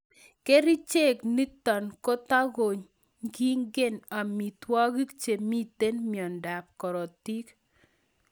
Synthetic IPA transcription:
ke˦ɾi˦t͡ʃe˦˨kni˦t̪ɔ˨nko˦t̪a˦ɣo˨ɲ | ɡi˦ŋɡɪ˦˨na˨mi˨t̪wɔ˦ɣi˦kt͡ʃe˨mi˦t̪e˦nmjɔ˨nda˨p̚kɔ˨ɾɔ˨ti˦k

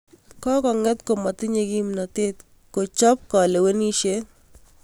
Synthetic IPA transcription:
kɔ˦kɔ˨ŋɛ˦t̪ko˨ma˨t̪ɪ˦ɲe˦ɡi˦mna˨t̪e˦t̪ | ko˨t͡ʃɔ˦p̚kɔ˨le˨we˦ni˦ʃe˦

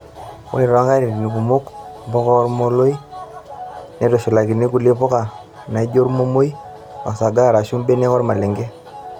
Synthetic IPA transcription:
wo̰˦ɪ˨ɾɔ˨˦ŋɡa˦ɾi˨ni˨k̬u˨mʊ˦kbɔ˦kɔ˦ɾmo˦lo˦i˦ | ne˨˦to˨ʃʊ˨la˨ki˨ni˦ku˨li˦pɔ˦ka˨ | na˨i˦d͡ʒo˦ɾmo˦mo˦j | a̰˨sa˨ɡa˦˨ɾa˨ʃu˦mbe˦ne˦kɔ˦ɾma˨le˨ŋɡe˦

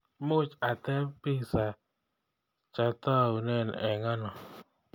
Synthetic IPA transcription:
mʊ˦t͡ʃa˨t̪ɛ˦pɪ˦sa˨ | t͡ʃa˨t̪ɔ˦˨u˨nɛ˦˨nɛ˨ŋa˦nɔ˨

